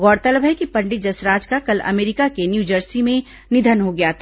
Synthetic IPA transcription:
ɡɔːɽt̪ələbɦɛkipɐ̃ɳɖɪt̪̚d͡ʒɐsɾaːd͡ʒkakɐlɐ̰meːɾɪkakenjuːd͡ʒəɾsimẽ | nɪd̪ʱənɦoɡɐjat̪ʰː

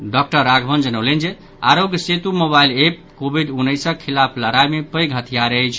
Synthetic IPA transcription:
ɖɔk̚ʈəɾːaɡʱbʱənd͡ʒənəwlend͡ʒe | aɾoɡjəset̪umoβailep̚kobiɖunːəjsəkʰilapʰləɾajmepəjɡɦət̪ʰijaɾəjt͡ʃʰ

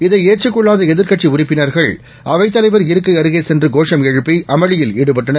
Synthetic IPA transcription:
ɪðɐɪeːʈ̚t͡ʃːɯkːɔɭːaːðɐɛðɪɾkɐʈt͡ʃiʊrɪpːɪnɐɾɣɐɭ | ɐʋɐɪt̪ːɐlɐɪʋɐɾɪɾɯkːɐɪɐɾɯɣeːsɛndrɯɡoːʂɐmɛɻɯpːiʔɐmɐɻɪjɪliːɽɯpɐʈːɐnɐɾ

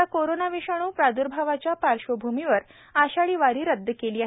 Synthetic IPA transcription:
akoɾonaʋiɕaɽ̃uːpɾad̪uɾbʱaʋat͡ɕjapaɾɕobʱumiʋəɾ | aɕaɭiːʋaɾiːɾəd̪ʱːəkeliːaɦ

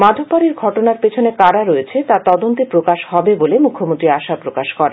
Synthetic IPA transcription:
mad̪ʱobpaɾiɾɡʱɔʈonaɾpet͡ɕʰonekaɾaɾoet͡ɕʰet̪at̪ɔd̪ont̪epɾokaʃhɔbebolemukʰːomõnt̪ɾiaʃapɾokaʃkɔɾe

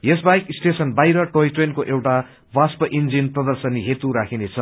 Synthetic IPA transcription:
jesbajkisʈesʌnbajɾʌʈoiʈrenkoʔewʈa | baspʌʔind͡zinprʌd̪ʌrsʌnːiɦet̪uɾakʰinet͡sʰʌ

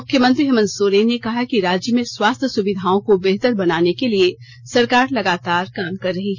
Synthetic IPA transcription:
mʊkʰjəmə̃nt̪ɾiɦɐmə̃nsoːɾeːnːekɐɦakiɾaːd͡ʒjəmẽswaːst̪ʰjəsʊʋɪd̪ʱaːõkobeɦt̪əɾbɐnaːnekelie | sɐɾkaːɾlɐɡaːt̪aːɾkaːmkɐɾːɐɦiɦ

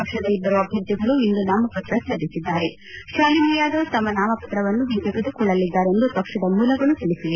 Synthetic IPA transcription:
pɐkʂɐd̪ɐib̪ːɐɾuɐbʱjɐɾt̪ːiɡɐɭuind̪unaːmɐpɐt̪ɾɐsɐd̪isid̪ːaːɾe | ʃʋaːlimujaːd̪ot̪ɐmːɐnaːmɐpɐt̪ɾɐʋɐnːuʋind͡ʒɐɡɐd̪ukuːɭɐlːid̪ːaːɾe̞nd̪upɐkʂɐd̪ɐmuːlɐɡɐɭːut̪iɭisiʋe

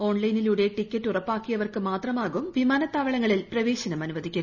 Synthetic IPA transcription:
o̞ːɳlɐjniluːɽe̞ʈikʲːɐtːurɐpːaːkːijɐʋɐrkɨmaːt̪rɐmaːɣumʋimaːnɐt̪ːaːʋɐɭɐŋːɐɭilprɐʋeːɕɐnɐmɐnuʋɐðʱikʲːu

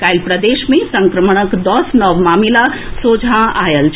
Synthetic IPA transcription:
kajlpɾəd̪eʃmẽsə̃ŋkɾəməɳ̃əkd̪ɔsnɔʋmaːmila | soːd͡ʒʱãajəlt͡ʃʰ

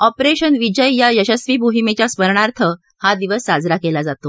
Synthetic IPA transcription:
ɔpɾeɕənʋid͡ʑəjjajəɕəsʋiːbʱuɦimet͡ɕjaspəɾɳaɾt̪ʰə | had̪iʋəsːad͡zɾakelad͡zat̪o

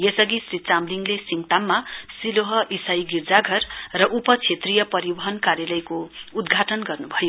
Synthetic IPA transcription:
jesʌɡisrit͡samliŋɡlesiŋt̪amːasiloɦʌʔisajɡird͡zaɡʱʌrːʌʔupʌt͡sʰet̪rijʌpʌɾibʌɦʌnkarjalʌjkoud̪ɡʱaʈʌnɡʌrnubʱʌjo

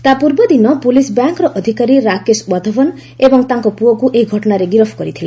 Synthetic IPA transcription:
t̪apuɾbɔd̪inɔpulisbjaŋkɾɔʔɔd̪ʱikaɾiɾakesbɔd̪ʱɔbɔn | ebɔŋt̪aŋkɔpuɔkuʔejɡʱɔʈɔnaɾeɡiɾɔpʰkɔɾit̪ʰila

